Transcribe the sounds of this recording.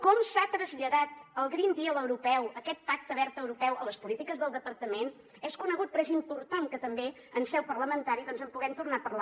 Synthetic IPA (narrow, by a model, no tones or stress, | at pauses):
kɔmsat̪ɾəzʎəðat̪əlˠɣɾind̪iələwɾupɛwəkɛt̪̚pak̚t̪əβɛɾt̪əwɾupɛwələspulit̪ikəzðəlˠd̪əpəɾt̪əmen | ɛskunəɣut̪̚pɾɛzimpuɾt̪aŋkət̪əmbe | ənsɛwpərləmənt̪aɾiðɔnzəmpuɣɛmt̪urnapərla